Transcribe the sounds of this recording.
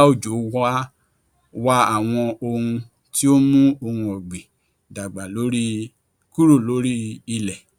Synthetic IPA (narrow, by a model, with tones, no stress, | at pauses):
o˦˨d͡ʒo˨˦wa˦ | wa˦a˨w̃ɔ̃˧o˧hũ˧ | ti˦o˦mũ˦o˧hũ˧ɔ˨ɡ͡bi˨ | da˨ɡ͡ba˨lo˨˦ɾi˦ | ku˦ɾu˦˨lo˨˦ɾi˦i˧lɛ˨